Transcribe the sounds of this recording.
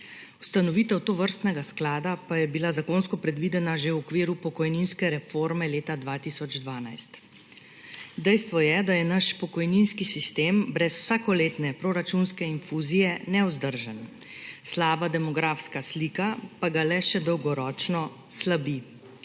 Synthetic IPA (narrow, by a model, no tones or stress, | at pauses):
ust̪anɔʋiːt̪ɛwt̪oʋəɾst̪nɛɡasklaːd̪apajɛbilazakoːnskɔpɾɛd̪ʋid̪ɛnaʒewɔkʋiːɾupɔkɔjninskɛɾɛfoɾmɛleːt̪ad̪ʋaːt̪isɔd͡ʒd̪ʋaːnajst̪ | d̪ɛjst̪ʋɔjɛd̪ajɛnaʃpɔkɔjninskisist̪eːmbɾɛsw̥saːkɔleːt̪nɛpɾoɾat͡ʃunskɛinfuzijɛnɛwzd̪əɾʒən | slaːbad̪ɛmɔɡɾaːfskaslikapaɡalɛʃɛd̪ɔwɡɔɾɔːt͡ʃnɔ | slabi